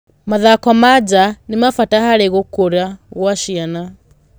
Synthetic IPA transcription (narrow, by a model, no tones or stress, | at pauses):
maðakɔmad͡ʒanimafatahaɾɛɣokoɾjaɣwaʃiana